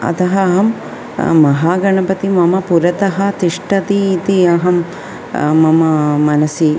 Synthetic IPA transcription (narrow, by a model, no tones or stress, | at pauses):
ɐ̰t̪ɐɦɐɦɐm | mɐɦaːɡɐɳɐpɐt̪imɐmɐpuɾɐt̪ɐɦɐt̪iʂʈɐt̪iːt̪iɐɦɐmː | ɐmɐmɐnɐsi